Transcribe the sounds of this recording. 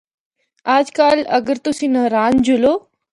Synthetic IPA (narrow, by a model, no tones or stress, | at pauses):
aːd͡ʒkaːlɐɡəɾt̪ʊsĩːnəɦɾaːnd͡ʒʊloː